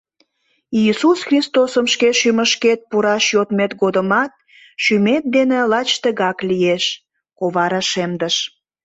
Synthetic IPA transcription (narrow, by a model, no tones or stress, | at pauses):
iisusxrist̪osəmʃkeʃyməʃket̪̚puɾɑʃjot̪met̪ɡod̪əmɑt̪̚ | ʃymet̪̚d̪enelɑt͡ɕt̪əɣɑklieʃ | koβɑɾɑʃemd̪əʃ